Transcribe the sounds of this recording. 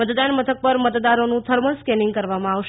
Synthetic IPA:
ət̪d̪anmət̪ʰək̚pəɾmət̪d̪aɾonũt̪ʰəɾməlskɛniŋɡkəɾʋamãaʋʃ

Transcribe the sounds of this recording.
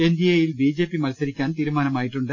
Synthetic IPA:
ɛnd̪ɪjeːjɪlbiːd͡ʒeːpːimɐlsɐɾɪkʲːaːnt̪iːɾɯmaːnɐmaːjɪʈrɯɳɖɐ

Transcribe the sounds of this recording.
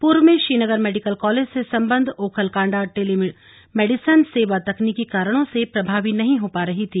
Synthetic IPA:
puːɾʋmẽʃɾiːnəɡəɾmɛːɖɪkəlkɔːleːd͡ʒsesɐ̃mbə̃nd̪ʱoːkʰəlkãːɳɖaʈeːli | meːɖɪsənseːʋat̪ɐknikikaːɾəɽ̃õsepɾɐbʱaːʋinɐɦĩɦopaɾɐɦit̪ʰiː

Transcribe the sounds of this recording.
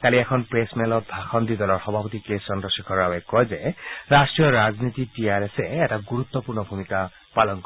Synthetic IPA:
kaliɛkʰɔnpɹesmɛlɔt̚dʱaxɔnd̪id̪ɔlɔɹxɔbʱapɔt̪ikesɔndɔsikʰɔɹawɛkɔjzɛɹastɹijɔɹaznit̪itiaɹɛsɛːtaɡuɹut̪ːɔpuɹnɔbʱumika | palɔnkɔ

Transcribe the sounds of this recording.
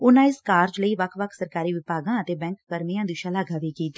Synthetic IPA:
ʊnãːɪskaːɾd͡ʒləiːʋəkʰʋəkʰsəɾkaːɾiːʋɪpaːɡãːət̪eːbɛ̃ːŋkːəɾmijãːd̪ɪʃãːlaːɡaːʋiːkiːt̪iː

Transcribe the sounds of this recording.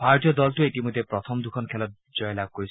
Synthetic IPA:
bʱaɹɔtijɔdɔltuetimojd̪ʱːepɹɔt̪ʰɔmd̪ukʰɔnkʰɛlɔt̚ | zɔjɔlab̚koɹis

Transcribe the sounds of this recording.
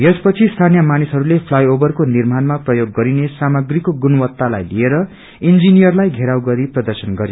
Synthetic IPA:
jespʌt͡sʰist̪ʰanijʌmanisɦʌɾulepʰlajobʌrkonirmanmaprʌjoɡːʌɾinesamʌɡrikoɡunʌwʌt̪ːalajlieɾʌ | ind͡zinijʌrlajɡʱeɾawɡʌɾiprʌd̪ʌrsʌnɡʌɾi

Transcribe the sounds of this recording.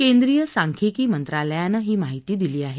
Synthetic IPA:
kend̪ɾijəsaŋkʰikiːmənt̪ɾaləjãnəɦiːmaɦit̪iːd̪iliːaɦe

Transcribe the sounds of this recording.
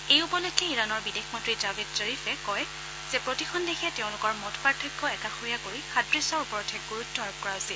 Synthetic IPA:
ejupɔlɔɡʰːɛiɹanɔɹbidexmɔntɹizabid̚zeɹifɛkɔj | z̥epɹotixʰɔndexʰɛtɛʊ̃lʊkɔɹmɔtʰpaɹtʰɔkːɔɛkaxoɹijakoɹixatɹisɔɹupɔɹɔtʰɛɡuɹutʰːɔɔb̚kɔɹaɦosil

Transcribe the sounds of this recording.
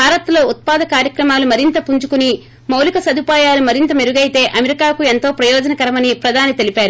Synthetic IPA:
bʱaːɾɐt̪lo̞ːut̪̚paːd̪ɐkaːɾjɐkɾɐmaːlumɐɾint̪ɐpuɲt͡ʃukuni | mɐwlikɐsɐd̪upaːjaːlumɐɾint̪ɐmeɾuɡɐjit̪e̞ːʔɐmeɾikaːkue̞nt̪o̞ːpɾɐjɔːd͡ʒɐnɐkɐɾɐmɐnipɾɐd̪ʱaːnit̪e̞lipaːɾu

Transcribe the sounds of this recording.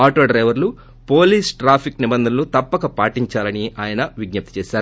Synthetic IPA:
aːʈoːɖɾɐjʋɐɾlu | po̞ːliːsʈɾaːpʰiknibɐnd̪ʱɐnlut̪ɐpːɐkɐpaːʈiɲt͡ʃaːlɐniaːjɐnɐʋiɡ̚nɐp̚t̪i̥t͡ʃɛːʃaːɾ

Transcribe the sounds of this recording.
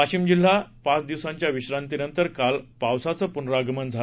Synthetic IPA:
at͡ɕimd͡ʑil̤ːapãt͡sd̪iwsãɲt͡ɕjaʋiɕɾant̪inənt̪əɾkalpawsat͡səːpunɾaɡmənd͡zʱa

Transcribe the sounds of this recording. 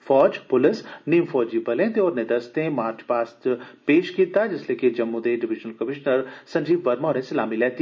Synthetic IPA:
fɔːd͡ʒpʊlɪsniːmfɔːd͡ʒibɐlẽːt̪eɔːɾned̪ɐst̪ẽmaːɾt͡ʃpaːst̪peːʃkiːt̪ad͡ʒɪsleːkid͡ʒɐmːud̪eɖɪʋɪʒnəlkɐmɪʃnəɾsɐ̃ɲd͡ʒiːbʋɐɾmaːɾẽsɪlaːmilɛːt̪i

